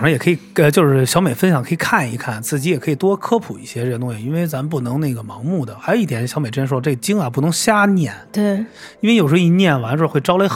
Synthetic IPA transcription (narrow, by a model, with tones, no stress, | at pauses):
ŋʂɑ˧˥jɛ˨˩kʰɤ˧˥i˨˩ə˧t͡ɕjo˥˧ʊʂɻ̩˥˩ɕjɑ˧˥ʊme˨˩ɪfə˥nɕjɑ˨˩ŋkʰɤ˧˥i˨˩kʰa˥˩ni˧˥kʰa˥˩nt͡sɹ̩˥˩t͡ɕi˧˥jɛ˨˩kʰɤ˧˥i˨˩t̪wɔ˥kʰɤ˥pʰu˨˩i˥˩ɕjɛ˥ɻə˥˧nt̪ʊ˥˧ŋjɑ˨˩i˥nwe˥˩ɪt͡sa˧˥mə˧np̬u˥˩nɤ˧˥ŋne˥˩ɪɡə˩mɑ˧˥ŋmu˥˩d̪ə˩xa˧˥ɪo˧i˥˩t̪ʰjɛ˧˥nɕjɑ˧˥ʊe˨˩ʈ͡ʂjʂwɔ˥˧ʈ͡ʂɡə˩t͡ɕi˥ŋɐ˨pu˥˩nɤ˧˥ŋɕja˥njɛ˥˩nt̪we˥˩ | i˥nwe˥˧jo˨˩ʊʂɻ̩˧˥˧i˧˥njɛ˥˩nwa˧˥nʈ͡ʂɔ˥˧xwe˥˩ɪʈ͡ʂɑ˥ʊle˧˥ɪ